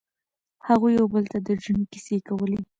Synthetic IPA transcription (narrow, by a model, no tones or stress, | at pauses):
haɣujːawbəlt̪ad̪əʒənki̥sekawəle